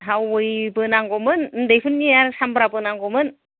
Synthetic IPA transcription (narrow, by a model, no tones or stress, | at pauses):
ɦawɯjbɯnaŋɡɔmɯnndɯjpʰɯnːiaɾsambɾabɯnaŋɡɔmɯn